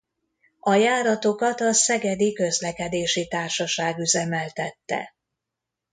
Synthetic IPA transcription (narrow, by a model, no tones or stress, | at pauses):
ɒjaːɾɒt̪o̞kɒt̪ɒsɛɡɛd̪ikø̞zlɛkɛd̪eːʃit̪aːrʃɒʃaːɡyzɛmɛlt̪ɛt̪ːɛ̰